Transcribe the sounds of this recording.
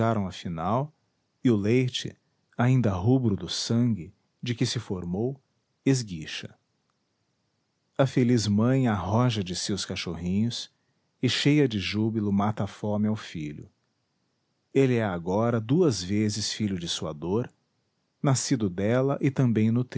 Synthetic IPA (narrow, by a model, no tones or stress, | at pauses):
aɾɐ̃w̃ɐfinaw | ɪʊlejt͡ʃɪ̰ | aĩnd̪ɐɦubɾʊd̪ʊsɐ̃ŋɡɪ | d͡ʒɪkɪsɪfoɾmow | ezɡiʃɐ | ɐfelizmɐ̃j̃aɦɔʒɐd͡ʒɪsewskaʃoɦĩɲʊs | ɪʃejɐd͡ʒɪʒubilʊmat̪ɐfõmɪawfiʎʊ̰ | elɪɛaɡɔɾɐd̪uɐzvezɪsfiʎʊd͡ʒɪsuɐ̰d̪oɾ | nasid̪ʊd̪ɛlɐʔɪt̪ɐ̃mbẽj̃nʊt̪